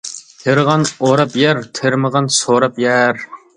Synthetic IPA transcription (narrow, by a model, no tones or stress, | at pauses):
t̪ʰeɾʁɑnoɾɑpjɛɾt̪ʰeɾməʁɑnsoɾɑpjɛɾ